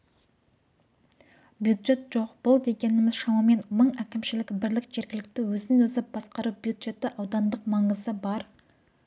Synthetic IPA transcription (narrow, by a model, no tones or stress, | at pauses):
bjud̪ʒe̞t̪ʒo̞qb̥ʊlˠd̪e̞ɡʲe̞nɪmɪzʃɑmɑme̞nməɴækʲɪmʃɪlɪkbɪɾlɪkʒ̥e̞ɾɡʲɪlɪk̚t̪ɪwɵzɪnɪŋwɵzɪp̚b̥ɑsqɑɾuwbjud̪ʒe̞t̪ɪʔɑwd̪ɑnd̪əqmɑɴəzəbɑɾ